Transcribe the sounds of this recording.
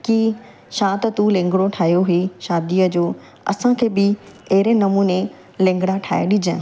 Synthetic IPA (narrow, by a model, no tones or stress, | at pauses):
kiː | ʃãːt̪ɐt̪ulẽːŋ̆ɡɽoʈʰaːɦjoɦeʃaːd̪iːəd͡ʑoː | ɐ̰sãkʰeːbɪɐɦɪɾenɐmuːne | lẽːŋɡɽ̃aʈʰa̰ːeɗɪd͡ʑə̃